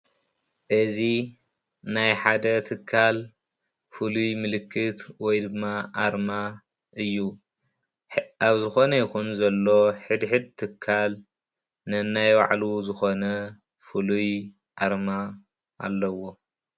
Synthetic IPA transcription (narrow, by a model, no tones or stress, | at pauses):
ʔɨzi | najħad̪ɐt̪ʰɨkʰːal | fɨlujmɨlɨkʰːɨt̪wɔjd̪ɨmːaʔaɾma | ʔɨjːu | aβzɨxo̞nɐjɪkunzɐlːo̞ħɨd̪ħɨd̪̚t̪ʰɨkʰːal | nɨnːajwa̰ʕluzɨxo̞nɐ | fɨluj | ʔaɾma | ʔa̰lːɐwo̞